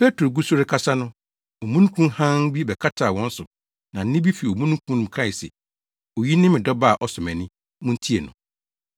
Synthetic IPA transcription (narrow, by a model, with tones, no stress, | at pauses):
pʰe˦tʰɾo˨ɡu˦sʊ˦ɾɪ˦kʰa˦sa˦nʊ̃˦ | o˨mũ˦nũ˦kʰũ˦nhã˦n˦bi˦bɛ˨kʰa˦tʰaː˨wɔ̃˦n̩˦sʊ˨ | nã˨n̩˦nɪ̃˦bi˦fi˨o˨mũ˦nũ˦kʰũ˦nʊ̃˨m˨kʰɾa˦˨i˨sɛ̰˨ | o˨ji˦nɪ̃˦mɪ̃˨dɔ˦ba˦˨ʔɔ˦sʊ˨mɛ̃˨nɪ̃˦ | mʊ̃˦n̩˦tʰi˦e˨nʊ̰̃˨